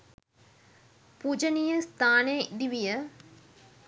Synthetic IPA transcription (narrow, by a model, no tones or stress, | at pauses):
pud͡ʒɐnijəst̪ʰaːneid̪iʋijə